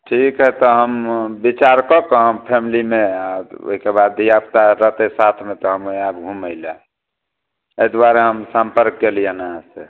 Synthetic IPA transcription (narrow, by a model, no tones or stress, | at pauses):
ʈʰikɦɛt̪ɔɦəmbit͡ʃaɾkɔkɔɦəmpʰemilimeao̰ɦikebad̪ːijapt̪aɾət̪esat̪ʰmet̪ɔɦəmabɡʱuməɪlɛ | ed̪waɾeɦəmsə̃mpəɾk̚ːelijənaɦãse